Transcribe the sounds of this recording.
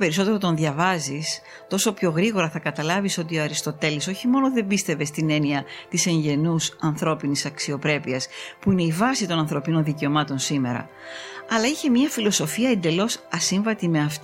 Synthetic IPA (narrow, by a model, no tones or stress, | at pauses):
pe̞ɾiso̞t̪e̞ɾo̞t̪o̞nðjɐvɐzis | t̪o̞so̞pço̞ɣɾiɣo̞ɾɐθɐkɐt̪ɐlɐviso̞t̪io̞ɐɾist̪o̞t̪e̞liso̞çimo̞noðe̞mbist̪e̞ve̞st̪ine̞niɐt̪ise̞ɲɟe̞nusɐnθɾo̞pinisɐksio̞pɾe̞piɐspuine̞ivɐsit̪o̞nɐnθɾo̞pino̞nðice̞o̞mɐt̪o̞nsime̞ɾɐ̰ | ɐlɐiçe̞mɲɐfilo̞so̞fiɐend̪e̞lo̞sɐsiɱvɐt̪ime̞ɐft̪